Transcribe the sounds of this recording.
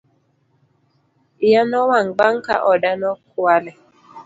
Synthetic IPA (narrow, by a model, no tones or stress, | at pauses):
ɪjanɔwaŋɡ͡baŋ̩ka̰ʔɔdanɔkwalɛ